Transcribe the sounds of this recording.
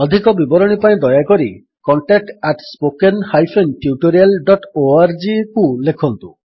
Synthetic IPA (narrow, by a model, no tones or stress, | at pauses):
ɔd̪ʱikɔbibɔɾɔɽ̃ipaĩd̪ɔjakɔɾi | kɔɳʈak̚ʈaʈspokenhajpʰenʈjuʈoɾialɖɔʈoaɾd͡ʒikulekʰɔnt̪ṵ̃